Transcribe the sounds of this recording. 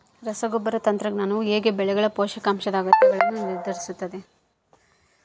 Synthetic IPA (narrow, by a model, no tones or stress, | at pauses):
ɾɐsɐɡɔbːɐɾɐt̪ɐnt̪ɾɐɡɳɐnueːɡebɛɭɛɡɐɭɐpoːʃɐkaːmʃɐd̪aːɡɐt̪ːɐɡɐɭɐnːuniɾd̪ʱɐɾisut̪ːɐd̪e